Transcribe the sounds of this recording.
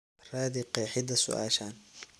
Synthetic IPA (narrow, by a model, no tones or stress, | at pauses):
raːðɪqɛːħɪd̪ɐsʊ̰ʔa̰ːʃaːn